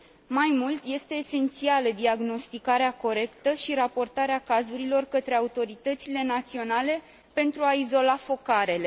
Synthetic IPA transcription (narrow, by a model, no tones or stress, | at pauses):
majmult̪je̞st̪e̞ːse̞nt̪sialəd̪iaɡno̞st̪ikaɾeako̞ɾe̞kt̪əʃiɾapo̞rt̪aɾeakazuɾilo̞rkət̪ɾe̞aut̪o̞ɾit̪ət̪sile̞nat̪sio̞nale̞ | pe̞nt̪ɾuaizo̞lafo̞kaɾe̞le̞